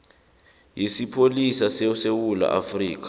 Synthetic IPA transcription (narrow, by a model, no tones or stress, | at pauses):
jisipʰolisasesewula̰ʔa̰friːk̬ḁ